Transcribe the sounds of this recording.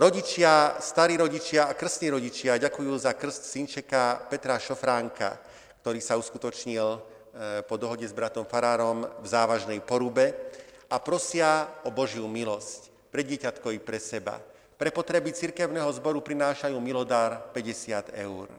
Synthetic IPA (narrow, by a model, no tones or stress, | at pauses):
ɾɔɟit͡ʃɪast̪aɾiːɾɔɟit͡ʃɪaakr̩st̪niːɾɔɟit͡ʃɪaɟakujuːzakr̩scsint͡ʃɛkapɛt̪ɾaʃɔfɾaŋka̰ | kt̪ɔɾiːsauskut̪ɔt͡ʃɲil | pɔd̪ɔɦɔɟɛzbɾat̪ɔmfaɾaːɾɔmvzaːʋaʒnɛjpɔɾubɛapɾɔsɪaɔbɔʒɪjumilɔsc | pɾɛd̪dɪɛcat̪kɔʋipɾɛsɛba̰ | pɾɛpɔt̪ɾɛbit͡siɾkɛʊnɛːɦɔzbɔɾupɾinaːʃajuːmilɔd̪aːɾpɛɟɛsɪad̪ɛ̰ʊɾ